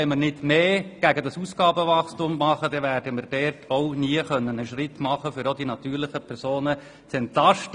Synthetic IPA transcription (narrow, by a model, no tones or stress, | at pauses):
ɛɪmərnɪdmeːɡ̥æɡədɑsuːsɡ̥ɑːbəʋɑχstʊmːɑχədɛʋæɾdəmərd̥ɛrtʰoʊniəχœnːənəʃɾɪtmɑχəfʏɾodinɑt̪yːɾlɪχəpʰɛɾsoːnə | t͡sɛntlɑʃt